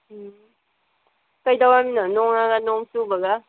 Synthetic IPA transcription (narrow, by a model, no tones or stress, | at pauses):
kajdawaminanɔŋaɡanɔŋsubaɡa